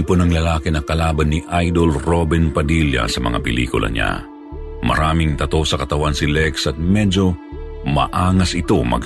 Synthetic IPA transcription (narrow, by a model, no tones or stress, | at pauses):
ponɐŋlɐlaːkɪnɐkɐlaːbɐnːiʔajd̪olɾobɛnpɐd̪iljɐ̰sɐmɐ̰ŋa̰pɛlḭːkʊlʔɐ̰ɲa̰ | mɐ̰ɾaːmɪŋt̪ɐt̪o̞sɐkɐt̪ɐwansilɛksɐt̪̚mɛd͡ʒo̞mɐ̰ʔaːŋɐsɪt̪o̞mɐ̰ɡ